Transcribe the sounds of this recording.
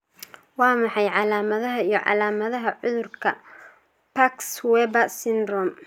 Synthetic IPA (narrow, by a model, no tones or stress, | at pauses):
wɑːmɑħɑjʕɑlaːmɐðɐɦɐijɞʕɑ̰laːmɐðɐɦɐʕʊðʊrkʰɐ | pʰakswɛːbɐsɪnrɔm